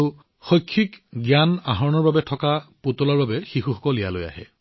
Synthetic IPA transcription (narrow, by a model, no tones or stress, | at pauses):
u | xɔjkʰːikɡjanaɦɔɹɔnɔɹbabɛtʰɔkapotɔlaɹbabɛxixuxɔkɔlija̰loja̰ɦɛ̰